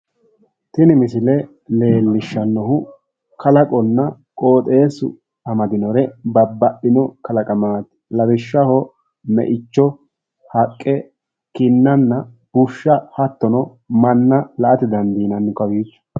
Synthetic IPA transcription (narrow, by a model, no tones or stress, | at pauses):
t̪ɪnɪmɪsɪlɛ | le̞ːlːɪʃːɐnːɔhʊ | kɐlɐkʼɔnːɐ | kʼoːt̪ʼe̞ːsʊ̰ | ɐmɐd̪ɪnɔɾɛbɐbːɐʔɪnɔkɐlɐkʼɐmaːt̪ | lɐbɪʃːɐhɔ | mɛ̰ʔɪt͡ʃːɔ | hɐkʼːɛ | kɪnːɐnːɐ | b̥ʊʃːɐhɐt̪ːɔnɔ | mɐnːɐlɐʔɐt̪ɪd̪ɐnd̪iːnɐnːʊkɐwiːt͡ʃːʊ̥